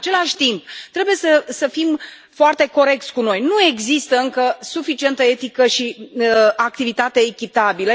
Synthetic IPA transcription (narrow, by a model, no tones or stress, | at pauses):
at͡ʃe̞laʃʲt̪imp̚t̪ɾe̞buje̞səsəfim | foart̪e̞ko̞ɾe̞k̚t̪sʲkuno̞jnue̞ɡzist̪əɨŋkəsufit͡ʃie̞nt̪əe̞t̪ikəʃi | ak̚t̪ivit̪at̪e̞ːkʲit̪abilə